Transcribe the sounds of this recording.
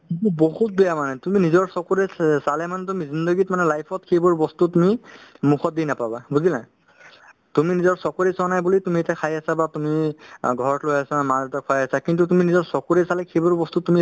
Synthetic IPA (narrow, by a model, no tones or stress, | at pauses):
ituboɦut̚bɛjamanɛtuminizɔɹsɔkoɹɛsalɛmanɛt̬umizindəɡitmanɛlajpʰɔt̚kʰejbɔɹbɔstutumimukʰɔt̚dinapababuzila | tuminizɔɹsɔkoɹesanajbulitumietakʰajasabatumiɡʱɔɹɔtlojasamatakʰɔjasakint̬utuminizɔɹsɔkoɹesalɛkʰebɔɹbɔstutumi